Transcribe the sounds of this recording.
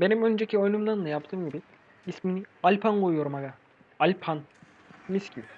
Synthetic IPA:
be̞nimø̞nd͡ʒecʰio̞jnumlˠaɾɯnˠajap̚t̪ʰɯːmɟibi | isminialʲpʰanɡojjoɾumaɡa | alʲpʰan | miscʲy

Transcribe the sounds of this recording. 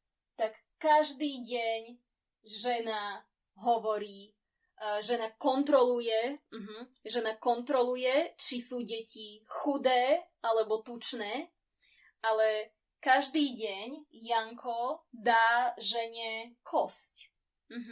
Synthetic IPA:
t̪akːaʒd̪iːɟɛɲ | ʒɛna | ɦɔʋɔɾiː | ʒɛnakɔnt̪ɾɔlujɛm̩ɦ̩ʒɛnakɔnt̪ɾɔlujɛt͡ʃisuːɟɛcʰixud̪ɛː | alɛbɔt̪ut͡ʃnɛː | alɛ | kaʒd̪iːɟɛɲjaŋkʰɔd̪aːʒɛɲɛkʰɔsc | m̩ɦ

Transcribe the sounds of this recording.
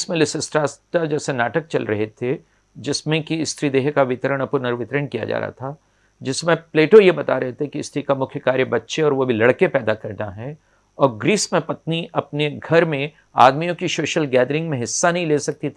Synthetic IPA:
smẽlɪsɪsʈɾaːsʈad͡ʒɛːsenaːʈək̚t͡ʃɐ̰lɾɐɦet̪ʰe | d͡ʒɪsmẽkiɪst̪ʰɾid̪eːɦkaʋɪt̪ɾəɽ̃ɐpʊɾnəɾʋɪt̪ɾəɳkija̰d͡ʒa̰ːɾa̰t̪ʰa | d͡ʒɪsmẽpleːʈojebɐt̪aɾɐɦet̪ʰekiɪst̪ʰɾikamʊkʰjəkaːɾjebɐtːʃeɔːɾʋobʱilɐɽkepɛːd̪akɐɾnaɦɛː | ɔːɾɡɾiːsmẽpɐt̪niʔɐpneɡʱɐɾmẽ | a̰ːd̪mijõkisoːʃəlɡɛːd̪ɾɪ̃ŋɡmẽɦɪsːanɐɦĩleːsɐk̚t̪it̪ʰː

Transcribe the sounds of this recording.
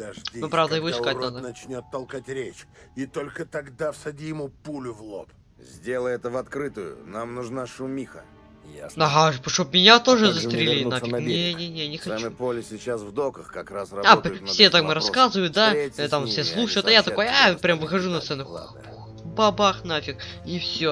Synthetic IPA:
d̪ɐʐdʲiopɾavd̪əjɪvoɪskat̪ad̪ənɐt͡ɕnʲot̪ːɐlˠkatʲɾʲet͡ɕit̪olʲkət̪ɐɡd̪afsɐdʲijɪmupulʲʊvlˠop | zʲdʲe̞lˠəjɛt̪əvɐt̪kɾɨt̪ʊjʊ̰namnʊʐnaʂʊmʲixə̰ | ɐɦaʐpʂt̪obmʲɪnʲat̪o̞ʐɨzəst̪ɾʲɪlʲilʲɪafɪknʲenʲenʲenʲɪxɐat͡ɕmɨpolʲɪsʲɪt͡ɕasvd̪okəxkɐkrasrɐapfsʲet̪akmɨɾɐskazɨvəjʊt̪̚d̪at̪amfsʲeslˠuʂəjʊt̪ajat̪ɐko̞japɾʲamvɨxɐʐunɐt̪sɛnʊx | p | bɐbaxnafʲɪkifsʲo

